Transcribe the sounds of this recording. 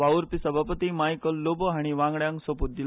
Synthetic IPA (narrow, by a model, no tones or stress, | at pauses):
ʋauɾpisəbʱapət̪imajkəlːobəɦaɽ̃iʋãŋɡɽjãŋksəput̪̚d̪il